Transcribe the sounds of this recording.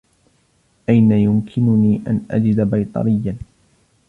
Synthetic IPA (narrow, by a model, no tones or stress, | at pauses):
ʔajnajʊmkʰɪnʊniːʔa̰nʔa̰d͡ʒɪd̪abajt̪ˤɑ̰ɾɪjːan